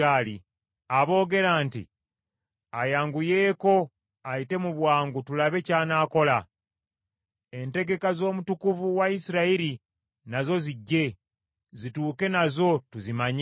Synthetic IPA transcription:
aːli | aβo̞ːɡe̞ɾaːntḭ | ajaːŋɡuje̞ːko̞ | ajite̞muβwaːŋɡutulaβe̞caːnaːko̞la | e̞nte̞ɡe̞kazo̞ːmutukuvuwaisiɾaiɾi | nazo̞ziɟːe̞ | zituːke̞nazo̞tuzimaɲ

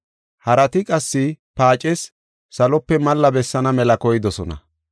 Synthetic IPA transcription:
hɐɾɐt̪ɪkʼɐsːɪpaːt͡ʃʼɛsː | ɐlɔpːɛmɐlːɐbɛsːɐnɐmɛlɐkɔjɪd̪ɔsɔnɐ̰

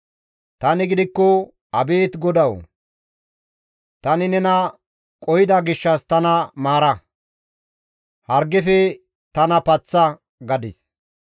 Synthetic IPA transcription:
t̪ɐnɪɡɪd̪ɪkːɔ | ɐbe̞ːt̪ɡɔd̪ɐw | t̪ɐnɪnɛnɐ | kʼɔjɪd̪ɐɡɪʃːɐst̪ɐnɐmaːɾɐ | hɐɾɡɛfɛ | t̪ɐnɐpɐt͡sːɐ | ɡɐd̪ɪs

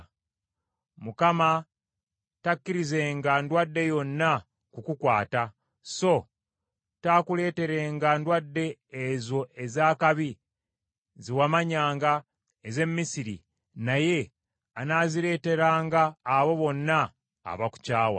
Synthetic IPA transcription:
mukama | takːiɾizeːŋɡandwadːe̞jo̞nːa | kukukwaːta | so̞ | taːkule̞ːte̞ɾe̞ːŋɡandwadːe̞ːzo̞e̞zaːkaβi | ziwamaɲaːŋɡa | eze̞mːisiɾḭ | naje̞ | anaːziɾe̞ːte̞ɾaːŋɡaːβo̞βo̞nːa̰ː | βaku̥caːwa̰

